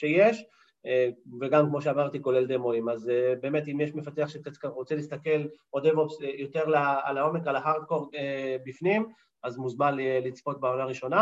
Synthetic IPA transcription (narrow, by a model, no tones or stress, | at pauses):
ʃe̞jeʃ | veɡamkmo̞ʃeamaʁt̪iko̞le̞ld̪emoimazbe̞ːmet̪imjeʃme̞fat̪eaχʃekakaʁot͡selist̪ake̞lod̪evopsjot̪e̞ʁlaalao̞me̞kalaɦaʁd̪̚ko̞ʁebifnim | ʔazmuzmanlit͡spo̞t̪̚beolaːʁiʃo̞na